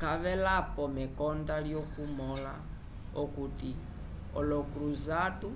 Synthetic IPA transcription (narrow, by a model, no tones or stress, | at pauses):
kʰaβɛlapʼɔmɛkɔndaɺjokumɔla | okuti | ɔlɔkʼɾuzatu